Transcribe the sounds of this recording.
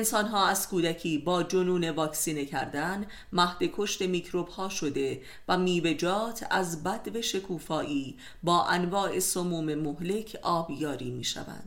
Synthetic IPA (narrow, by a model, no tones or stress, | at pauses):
ensɒːnɦɒːæz̥kuːd̪æcʰiːbɒːd͡ʒonuːne̞vɒːksiːnecʰæɾd̪æn | mæhd̪e̞kʰo̞ʃt̪e̞miːcʰɾo̞b̥hɒːʃo̞d̪e̞ | væmiːve̞d͡ʒɒːt̪ʰæ̰zbæd̪̥ve̞ʃe̞kʰuːfɒːʔiː | bɒːʔænvɒːe̞somuːme̞mohle̞cʰʔɒːbjɒːɾiːmḭːʃæ̰væ̰nd̪̥